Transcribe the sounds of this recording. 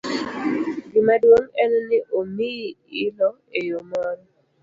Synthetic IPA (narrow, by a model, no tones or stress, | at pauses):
ɡɪmadwoŋɛnnɪʔomiɪlɔ | ejomɔn